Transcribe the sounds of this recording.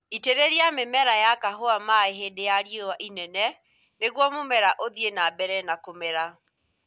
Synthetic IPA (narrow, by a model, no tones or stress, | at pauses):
iteɾeɾiamemɛɾajakaɦoamaeɦedejaɾjowaʔinɛnɛ | neɣwɔmomɛɾaʔoðjenabɛɾɛnakomɛɾa